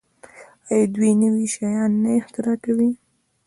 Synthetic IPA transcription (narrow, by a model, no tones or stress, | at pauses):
ɑjɑd̪winəwiʃɑjɑnːaɪxt̪ɪɾɑkawi